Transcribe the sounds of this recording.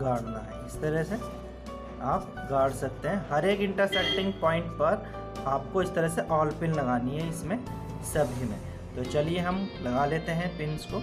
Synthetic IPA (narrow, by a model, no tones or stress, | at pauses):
ɡaːɽ̤naɦɛɪst̪ɐɾɛse | aːp̚ | ɡaːɽsɐk̚t̪eɦɛ̃ɦɐɾeːkɪ̃ɳʈəɾsɛk̚ʈɪ̃ŋɡ̚pɔ̃ːɪ̃ɳʈpɐɾ | aːp̚koɪst̪ɐɾəseʔɔːlpɪnlɐɡaːniɦɛɪsmẽ | sɐbʱimḛ̃ | t̪oːt͡ʃɐlieɦɐmlɐɡaːleːt̪eɦɛ̃pɪnsko